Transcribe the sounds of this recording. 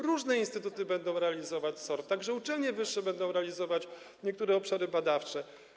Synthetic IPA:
ɾuʐnɛinst̪ɘt̪ut̪ɘbɛnd̪ɔ̃w̃ɾɛalʲizɔvat͡ɕsɔɾt̪t̪ːaɡʐɛut͡ʂɛlɲɛvɘʂːɛbɛnd̪ɔ̃w̃ɾɛalʲizɔvat͡ɕ | ɲɛk̚t̪uɾɛɔpʂaɾɘbad̪aft͡ʂɛ

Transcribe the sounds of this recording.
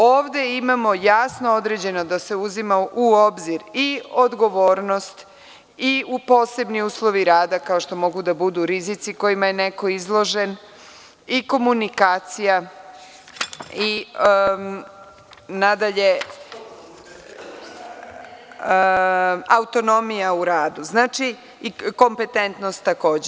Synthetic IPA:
oːʋd̪e̞imamo̞jasnood̪ɾed͡ʑe̞no̞d̪ase̞uzimaʔuo̞bziɾio̞d̪ɡo̞ʋo̞ːɾno̞st̪ | iupo̞se̞bniuːslˠo̞ʋiɾaːd̪akao̞ʃt̪o̞mo̞ɡud̪abud̪uɾizit̪siko̞jimaje̞ne̞ko̞izlˠo̞ʒe̞n | iko̞munikaːt̪sija | i | nad̪aʎe̞ | aut̪o̞no̞mijauɾaːd̪uznaːt͡ʃi | ko̞mpe̞t̪ent̪no̞st̪ːako̞ːd͡ʑe

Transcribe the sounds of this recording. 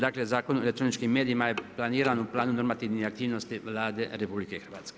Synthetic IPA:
d̪aklezakonoelet̪ːɾonit͡ʃkimɛd̪jimaeplaniɾanuplaːnunormat̪iːvniak̚t̪ivnost̪ivlaːd̪eɾepublikexɾvat̪ske̥

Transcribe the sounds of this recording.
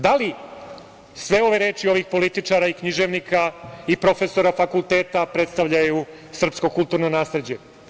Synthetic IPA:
d̪ali | sʋe̞o̞ʋe̞ɾe̞ːt͡ʃio̞ʋixpo̞lit̪it͡ʂaɾaikɲiʒe̞ʋnikʰaipɾo̞fe̞so̞ɾafakulˠt̪e̞ːt̪apɾe̞t̪st̪aʋʎaju | sr̩psko̞kult̪uːɾnonaːsle̞d͡ʑe̞

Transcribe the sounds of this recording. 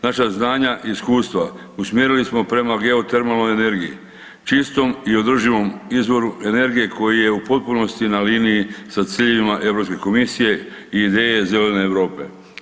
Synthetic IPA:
naʃaznaːɲaʔiskuːst̪ʋa | usmʲje̞ɾilismo̞pɾe̞maɡe̞o̞t̪eɾmelnojene̞ɾɡiḭ | t͡ʃist̪o̞mio̞d̪r̩ʒiʋo̞mizʋo̞ɾuʔe̞ne̞ɾɡije̞kʰo̞jije̞upo̞t̪̚puno̞st̪inaliːnijisat̪siːʎeʋimaʔe̞vɾo̞pske̞ko̞misije̞ | iːd̪e̞ːje̞zelene̞ːʋɾo̞ːpe̞̰

